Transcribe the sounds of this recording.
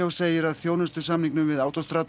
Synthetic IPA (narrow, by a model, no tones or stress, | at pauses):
owseːjɪɾaðθjoːwnɛst̪ʏ̥samniŋknʏmvɪðaːwt̪ost̪ɾaːt̪